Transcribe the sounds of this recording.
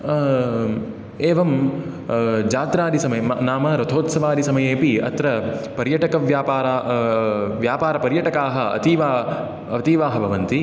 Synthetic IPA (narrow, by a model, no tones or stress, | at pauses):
eːʋɐm | d͡ʒaːt̪ɾaːd̪isɐmɐjenaːmɐɾɐt̪ʰoːt̪sɐʋaːd̪isɐmɐjeːpiɐ̰t̪ɾɐpɐɾjɐʈɐkɐʋjaːpaːɾaː | ʋjaːpaːɾɐpɐɾjɐʈɐkaːɦɐɐ̰t̪iːʋaː | ɐt̪iːʋaːɦɐbʱɐʋɐnt̪i